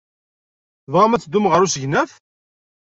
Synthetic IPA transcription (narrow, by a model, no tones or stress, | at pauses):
ðʁamæt͡sːd̪ːʊmʁəɾusəʝnæθ